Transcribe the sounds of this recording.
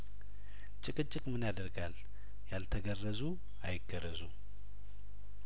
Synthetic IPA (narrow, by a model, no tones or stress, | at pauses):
t͡ʃʼɨkʼɨt͡ʃʼɪkʼmɨnad̪əɾɡal | jalt̪ʰəɡərːəzu | ajɪɡəɾəzu